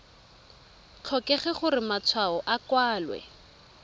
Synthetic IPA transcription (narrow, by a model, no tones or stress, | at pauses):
t͡ɬʰɔkɛχɛχʊrɪmat͡sʰwaɔʔakwaːlwɛ̰